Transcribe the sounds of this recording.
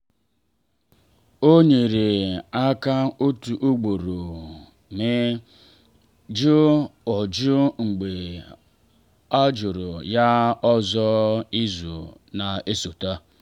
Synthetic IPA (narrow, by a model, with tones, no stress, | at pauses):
o˦ɲe˨ɾe˨a˦ka˦o˦tu˨ʔo˦ɡ͡bo˨ɾo˨ | mɪ˦ | d͡ʒʊ˦ɔ˨d͡ʒʊ˦ŋ͡m̩˨ɡ͡be˨ | a˦d͡ʒʊ˨ɾʊ˨ja˦ɔ˦zɔ˦i˦zṵ˨na˨e˦so˨ta˦